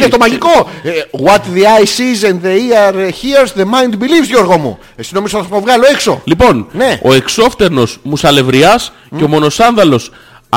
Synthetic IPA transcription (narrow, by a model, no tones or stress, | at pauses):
et̪o̞mɐʝiko̞ɣwɐt̪ðiajsizenðeiɐɾçiɐɾsðemajnd̪bilivzjoɾɣomṵ | esino̞mizoθɐovɣɐloe̞kso̞̰lipo̞nneo̞e̞kso̞ft̪e̞ɾno̞smusɐle̞vɾiɐs | eo̞mo̞no̞sɐnðɐlo̞s